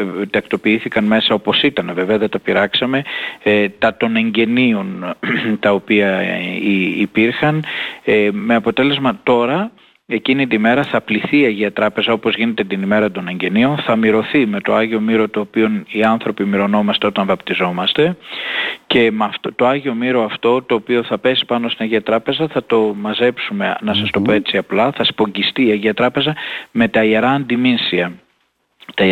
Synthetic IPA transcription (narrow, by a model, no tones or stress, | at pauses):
t̪ɐkt̪o̞piiθikɐnme̞sɐo̞po̞sit̪ɐneve̞veɐðet̪ɐpiɾɐksɐme̞t̪ɐt̪o̞ne̞ɲɟe̞nio̞nt̪ɐo̞piɐiipiɾxɐn | me̞ɐpo̞t̪e̞le̞zmɐt̪o̞ɾɐ | e̞cinit̪ime̞ɾɐθɐpliθiːɐʝiɐt̪ɾɐpe̞zɐo̞pozʝine̞t̪e̞t̪inime̞ɾɐt̪o̞ne̞ɲɟe̞nio̞nθɐmiɾo̞θime̞t̪o̞ɐʝio̞miɾo̞t̪o̞ːpio̞niɐnθɾo̞pimiɾo̞no̞mɐst̪e̞o̞t̪ɐɱvɐpt̪izo̞mɐst̪e̞ | ce̞mɐft̪ot̪o̞ɐʝio̞miɾo̞ɐft̪o̞t̪o̞ːpio̞θɐpe̞si̥pɐnost̪inɐʝiɐt̪ɾɐpe̞zɐθɐt̪o̞mɐze̞psume̞nɐsɐst̪o̞poe̞t͡siɐplɐθɐspo̞ɲɟist̪iːɐʝiɐt̪ɾɐpe̞zɐme̞t̪ɐieɾɐːnd̪iminsiɐ | t̪ɐ